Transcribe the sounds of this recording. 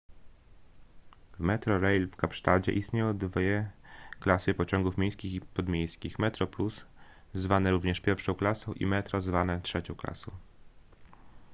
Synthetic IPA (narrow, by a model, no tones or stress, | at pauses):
vmɛt̪ɾɔɾɛjlfkapʂt̪ad͡ʑɛ̰ʔist̪ɲejɔ̃w̃d̪vʲɛklasɨpɔt͡ɕɔŋɡufmʲjejskʲixipɔd̪mʲejskʲixmɛt̪ɾɔplus | zvanɛɾuvɲɛʂpʲjɛɾfʂɔ̃w̃klasɔ̃w̃ʔḭmɛt̪ɾɔzvanɛtʂɛt͡ɕɔ̃w̃kla̰sɔ̰̃w̃